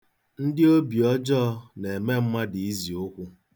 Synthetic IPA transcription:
n̩˦dɪ˦o˦bi˨ɔ˦d͡ʒɔ˦ne˨me˦m̩˦ma˦di˨i˦zi˨o˦kʷu˦

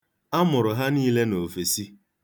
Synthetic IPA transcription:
a˦mʊ˨ɾʊ˨ɦa˦niː˦le˦no˨fe˨si˦

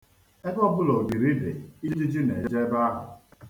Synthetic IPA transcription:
e˦bɔ˦bʊ˦lo˨bi˨ɾi˦dḛ˨i˦d͡ʒi˦d͡ʒi˦ne˨˦d͡ʒe˦ba˦a˦ɦʊ̰˨

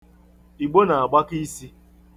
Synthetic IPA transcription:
i˨ɡ͡bo˦na˨a˨ɡ͡ba˦ki˦si˦

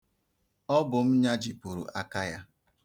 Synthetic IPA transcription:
ɔ˦bʊ˨m̩˦ɲa˦d͡ʒi˨pu˨ɾṵ˨ʔa˨ka˦ja˦

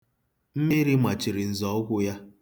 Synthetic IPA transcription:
m̩˦mi˦ɾi˦ma˨t͡ʃi˨ɾɪ˨n̩˨zɔ˨˦ɡʷʊ˦ja˦

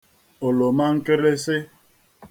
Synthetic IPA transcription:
o˨lo˨ma˦ŋ̩˦ke˦ɾe˦sɪ˦

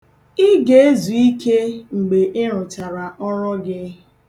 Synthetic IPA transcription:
ɪ˦ɡe˦e˦zu˨i˦ke˦ŋ͡m̩˨ɡ͡be˨ʔɪ˦ɾʊ˨t͡ʃa˨ɾa˨ʔɔ˦ɾɔ˦ɡɪ˦

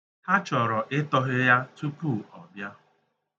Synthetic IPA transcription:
ha˦t͡ʃɔ˨ɾɔ˨ʔɪ˦tɔ˦ɦɪ˦ja˦tu˦pu˦˨ɔ˨bja˦

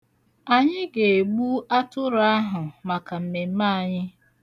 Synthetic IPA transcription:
a˨ɲɪ˦ɡe˨ɡ͡bu˦a˦tʊ˦ɾa˦ɦʊ˨ma˨ka˨m̩˨me˨m̩˦ma˦a˨ɲɪ˦

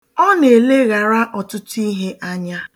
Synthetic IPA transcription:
ɔ˦ne˨le˦ɣa˨ɾa˦ʔɔ˨tʊ˦ti˦ɦe˦ʔa˦ɲa˦

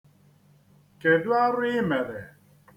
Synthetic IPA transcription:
ke˨dʊ˦a˦ɾɪ˦mɛ˨ɾɛ˨

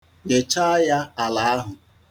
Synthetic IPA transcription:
ɡe˨t͡ʃa˦a˦ja˦a˨la˨a˦ɦʊ˨

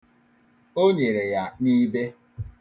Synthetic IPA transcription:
o˦ɲe˨ɾe˨ja˨ni˦be˦

